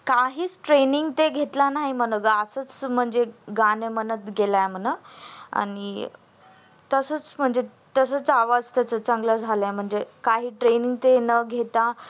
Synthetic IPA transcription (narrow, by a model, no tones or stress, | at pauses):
kaɦiːt͡sʈɾeniŋɡt̪eɡʱet̪lanaɦim̤ənəɡəəsət͡sm̤əɳd͡zeɡanemənət̪ɡelajm̤ənəa̰ni | t̪əsət͡sm̤əɳd͡ze | t̪əsət͡saʋad͡zt̪at͡sət͡səŋɡləd͡zʱalajm̤əɳd͡zekaɦiːʈɾeniŋɡ̚t̪enəɡʱet̪a